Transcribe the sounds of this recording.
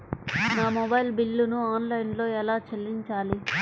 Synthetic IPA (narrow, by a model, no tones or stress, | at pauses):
naːmɔbɐjlbilːunuaːnlɐjnlo̞ːɛlaːt͡ʃelːiɲt͡ʃaːli